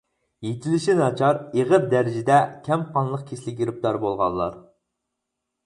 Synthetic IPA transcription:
jet̪ʰɪlɪʃinɑt͡ʃʰɑɾeʁəp̚d̪æɾɪd͡ʒɪd̪ɛkʲʰɛmqʰɑnlˠəq̚kʲʰeʃlɪkʲjiɾɪp̚d̪ɑɾbolˠʁɑ̰lːˠɑ̰ɾ

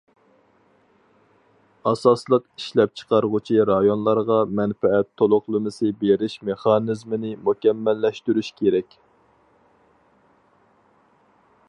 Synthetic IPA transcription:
ɑsɑslˠəqiʃlɛp̚t͡ʃʰə̥qɑɾʁʊt͡ʃʰiɾɑjonlˠɑɾʁɑmɛnfɛɛt̪ʰːolˠʊχlˠɨmɨsɨbeɾɪʃmeχɑnɨzmɪnɪmukʲɛmːɛlːɛʃt̪yɾyʃkʲʰeɾɛkʲ

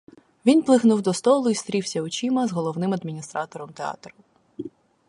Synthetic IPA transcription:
ʋʲinplˠɪxnuwd̪ɔst̪ɔlˠʊist̪ɾʲiwsʲɐʊt͡ʃimɐzɦɔlˠɔwnɪmɐd̪mʲinʲist̪ɾɑt̪ɔɾɔmt̪eɑ̰t̪ɾʊ

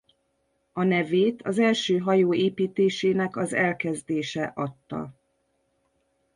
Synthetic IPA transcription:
ɒnɛveːt̪ʰɒzɛlʃøːɦɒjoːeːpiːt̪eːʃeːnɛkɒzɛlkɛzd̪eːʃɛʔɒt̪ːɒ̰

